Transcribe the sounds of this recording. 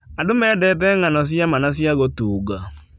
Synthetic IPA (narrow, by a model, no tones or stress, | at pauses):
adʊmɛːdɛt̬ɛŋanɔs̬jamanas̬jaɣotuːɡa